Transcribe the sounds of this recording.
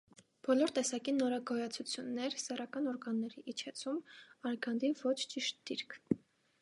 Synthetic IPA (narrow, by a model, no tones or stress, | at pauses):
b̥ɔlɔɾt̪ɛsɑkinɔɾɑɡɔjɑt͡sʰut͡sʰjunːɛɾsɛrɑkɑnɔɾɡɑnːɛɾiʔit͡ʃʰɛt͡sʰumɑɾɡɑnd̪ivɔt͡ʃʰt͡ʃiʃt̪̚d̪̥iɾkʰ